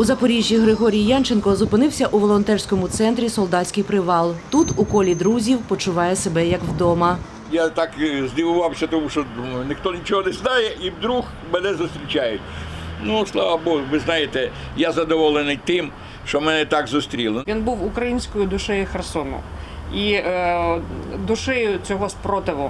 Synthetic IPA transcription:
uzɐpɔɾʲiʒʲːiɦɾɪɦɔɾʲijijɑnt͡ʃenkɔzʊpɪnɪwsʲɐʔuʋɔlˠɔnt̪ɛrsʲkɔmʊt̪sɛnt̪ɾʲisɔlˠd̪ɑsʲkɪjpɾɪʋɑlˠt̪ut̪ukɔlʲid̪ɾuzʲiwpɔt͡ʃʊʋɑjɛsebɛjɐkwd̪ɔmɐ | jat̪ɑkzʲd̪ʲiʋʊʋɑwsʲɐt̪ɔmuʃt͡ʃɔd̪umɐjʊnɪxt̪ɔnʲit͡ʃɔɦɔnɛznɑjɛʔiwd̪ɾux | mɛnɛzʊst̪ʲɾʲit͡ʃʲajʊtʲ | nuslˠɑʋɐbɔɦʊʋɪznɑjet̪ɛ | jazɐd̪ɔʋɔlˠenɪjt̪ɪm | ʃt͡ʃɔmɛnɛt̪ɑɡzʊst̪ɾʲilˠɔʋʲinbuwʊkɾɐjinʲsʲkɔjʊd̪ʊʃɛjʊxɛrsɔnʊ̰ | i | d̪ʊʃɛjʊt͡sʲɔɦɔspɾɔt̪ɪʋʊ

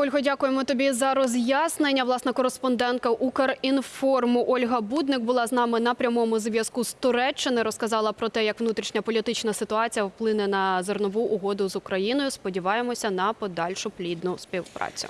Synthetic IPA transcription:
ɔlʲɦɔdʲakʊjemɔt̪ɔbʲizɐɾɔzʲjasnenʲːɐʋlˠɑsnɐkɔɾespɔnd̪ɛnkɐʔukɐrinfɔrmʊʔɔlʲɦɐbud̪nɪk̚bʊlˠɑznɑmɪnɐpɾʲɐmɔmʊzʋʲjɐskust̪ɔɾɛt͡ʃːɪnɪɾɔskɐzɑlˠɐpɾɔt̪ɛjɐkʋnut̪ɾʲiʃnʲɐpɔlʲit̪ɪt͡ʃnɐsɪt̪ʊɑt͡sʲijɐwplˠɪnɛnɐzɔrnɔʋuʔːɦɔd̪ʊzʊkɾɐjinɔjʊspɔdʲiʋɑjemɔsʲɐnɐpɔd̪ɑlʲʃʊplʲid̪nʊspʲiwpɾɑ̰t͡sʲʊ̰

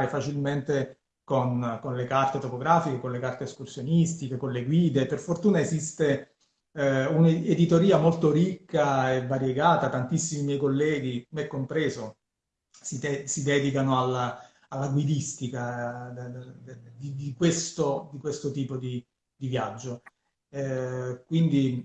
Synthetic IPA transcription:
ɾefat͡ʃilment̪e | konkonlekart̪et̪opoɡɾaːfikekonlekart̪eːskursjonist̪ikekonleɡwiːd̪eperfort̪uːnaezist̪e | uned̪it̪oɾiːamolt̪oɾikːaevːaɾjeɡaːt̪at̪ant̪isːimimjɛjkolːɛːɡimɛkːompɾɛːzo | siɛsid̪ɛːd̪ikanoalːa | alːaɡwid̪ist̪ika | d̪id̪ikwest̪od̪ikwest̪ot̪iːpod̪i | d̪ivjad͡ʒːo | kwind̪i

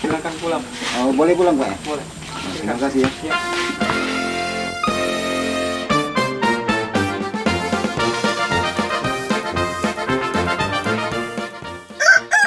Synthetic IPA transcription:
ilakanpulaŋ | ɔbolɛhpulaŋkaja̰bolɛ | o̰t̪imakasijaja

